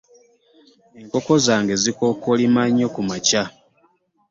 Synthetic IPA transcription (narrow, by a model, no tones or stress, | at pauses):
e̞ŋko̞ko̞zaːŋɡe̞ziko̞kolimaɲːo̞kumaca